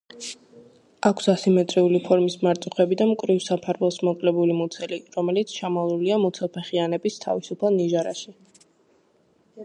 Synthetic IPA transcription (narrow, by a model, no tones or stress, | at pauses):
akʰsasimɛt̪sʼɾiulipʰɔɾmismaɾt̪sʼuχɛbid̪amkʼɾivsapʰaɾvɛlˠsmɔkʼlɛbulimɔt̪sʰɛliɾɔmɛlit̪sʰt͡ʃʰamalˠuliamɔt̪sʰɛlˠpʰɛχianɛbist̪ʰa̰visupʰalˠniʒaɾa̰ʃi